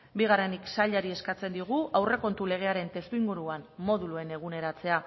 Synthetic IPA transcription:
biɣ̞are̞niksaʎaɾie̞skat͡se̞nd̪iɣ̞uʔawre̞ko̞nt̪ule̞ɣ̞e̞aɾe̞nt̪e̞st̪uiŋɡuɾuanmo̞ðulue̞ne̞ɣ̞une̞ɾat͡se̞a

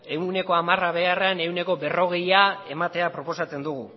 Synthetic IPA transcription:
e̞wne̞ko̞amaraβe̞araene̞uwne̞ko̞be̞ro̞ɣ̞e̞jaemat̪e̞apɾo̞po̞sat͡se̞nd̪uɣ̞u

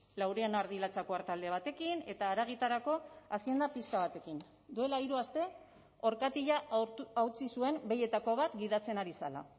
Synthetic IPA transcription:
lawɾeanaɾðilat͡sako̞aɾt̪ald̪e̞β̞at̪e̞kine̞t̪aːɾaɣ̞it̪aɾako̞asie̞nd̪apiskaβ̞at̪e̞kin | d̪ue̞laiɾuast̪e̞ | o̞ɾkat̪iʎaawt͡sisue̞mbe̞je̞t̪ako̞β̞at̪ɡiðat͡se̞naɾisa̰la̰

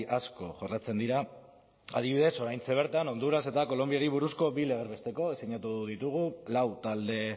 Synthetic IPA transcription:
ʔasko̞ʝorlat͡se̞nd̪iɾa | a̰ð̞iβiðe̞so̞ɾajnt͡se̞β̞e̞ɾt̪ano̞nd̪uɾase̞t̪ako̞lo̞mbiaɾiβuɾusko̞bile̞ɣ̞eɾβe̞st̪e̞ko̞esiɲat̪uðit̪uɣ̞ulawt̪ald̪e̞

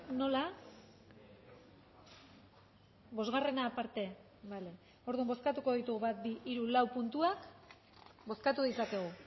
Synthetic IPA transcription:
no̞la | βo̞zɣare̞napaɾt̪e̞ | bale̞ | o̞ɾðumbo̞skat̪uko̞ðit̪uɣuβat̪̚biʔiɾulawpunt̪uak | bo̞skat̪uðit͡sake̞ɣ̞u

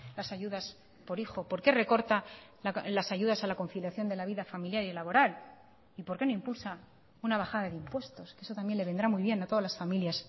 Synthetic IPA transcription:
lasaʝuðas | po̞ɾixo̞po̞ɾke̞re̞ko̞ɾt̪a | lasaʝuðasalako̞nfiljaθjo̞nd̪e̞laβiðafamiljaɾielaβo̞ɾal | ipo̞ɾke̞no̞impulsa | unaβ̞axaðaðeimpwe̞st̪o̞skeeso̞t̪ambje̞nle̞e̞nd̪ɾamujβje̞nat̪oðalasfamiljas

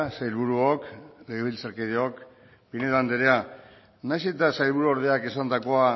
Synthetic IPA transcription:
sajlβuɾuokleɣeβilt͡saɾkeðeo̞k | pine̞ðand̪eɾea | najset̪asajlβuɾuoɾðe̞ake̞sand̪ako̞a

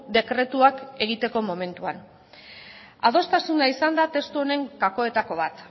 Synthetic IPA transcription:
d̪e̞kɾe̞t̪uake̞ɣ̞it̪e̞ko̞mo̞me̞nt̪ua̰n | a̰ð̞o̞st̪asunaisand̪at̪e̞st̪uo̞ne̞ŋkako̞e̞t̪ako̞βat̪

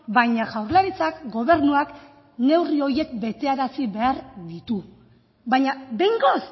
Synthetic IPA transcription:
bajɲaʝawɾlaɾit͡sakɡo̞β̞e̞ɾnuak | ne̞wrio̞ɾje̞kbe̞t̪e̞aɾasiβe̞aɾd̪it̪u | bajɲabe̞jŋɡos

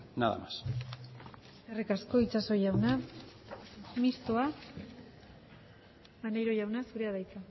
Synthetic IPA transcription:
na̰ða̰mas | erikasko̞it͡saso̞jawna | mist̪oa | manajɾo̞jawnasuɾe̞aðajt͡s̪a

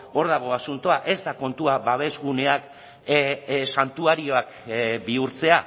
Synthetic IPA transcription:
o̞ɾðaɣ̞o̞asunt̪o̞aʔe̞zd̪ako̞nt̪uaβaβ̞e̞zɣune̞ak | sant̪uaɾio̞akbiuɾt͡se̞a

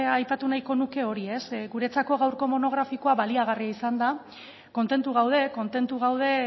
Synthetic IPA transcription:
ajpat̪unajko̞nuke̞o̞ɾie̞sɣuɾe̞t͡sako̞ɣawɾko̞mo̞no̞ɣ̞ɾafiko̞aβaliaɣ̞ariaisand̪a | ko̞nt̪e̞nt̪uɣawð̞e̞ko̞nt̪e̞nt̪uɣawð̞e̞

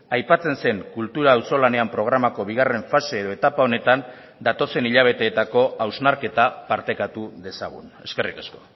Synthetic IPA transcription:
ajpat͡se̞nse̞ŋkult̪uɾaːwso̞lane̞ampɾo̞ɣ̞ɾamako̞β̞iɣ̞are̞ɱfase̞ːðo̞e̞t̪apao̞ne̞t̪an | d̪at̪o̞se̞niʎaβ̞e̞t̪e̞ːt̪ako̞ʔawznaɾke̞t̪apaɾt̪e̞kat̪uðe̞sa̰ɣ̞ṵne̞ske̞rikasko̞̥

